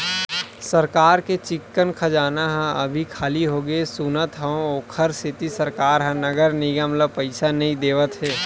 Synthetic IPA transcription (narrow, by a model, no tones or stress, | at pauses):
səɾkaːɾket͡ʃɪkːənkʰəd͡ʒaːnaɦɛ̃əbʱikʰaːliɦoːɡesunət̪ɦə̃oːkʰəɾsɪt̪isəɾkaːɾɦə̃nəɡəɾniɡəmləpəɪsanɐɦĩd̪eːʋət̪ɦɛː